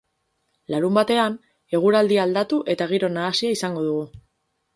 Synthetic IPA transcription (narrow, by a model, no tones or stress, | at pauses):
laɾumbat̪e̞an | e̞ɣ̞uɾald̪iaːld̪at̪uʔe̞t̪aɣ̞iɾo̞naːsiaisaŋɡo̞ðuɣ̞u